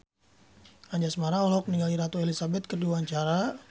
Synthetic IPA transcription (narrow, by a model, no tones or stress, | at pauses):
aɲd͡ʒasəmaɾaɔlɔk̚niŋɡaliɾat̪ɔelisabɛt̪̚kəduaɲt͡ʃaɾa